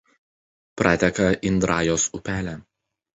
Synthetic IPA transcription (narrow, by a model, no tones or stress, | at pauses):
pɾʔɑːt̪ʲɛkɐʔɪnd̪ɾɑːjoːsʊpʲæːlʲæː